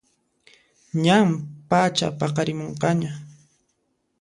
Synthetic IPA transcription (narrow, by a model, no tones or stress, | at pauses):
ɲampat͡ʃa̰pɑqɑɾɪmoɴqɑɲa